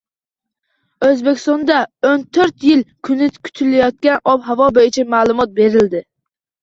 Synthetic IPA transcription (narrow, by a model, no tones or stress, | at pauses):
øzbekʲʰi̥st̪ɑnd̪ɑont̪ʰøɾt̪jɪlkʲʰynɪkʲʰy̥t̪ʰylɪjɒt̪̚kʲɛnʔɔpɦɑvɒbɛɪt͡ʃʰɛmaːlˠumɒt̪̚beɾɪld̪ɪ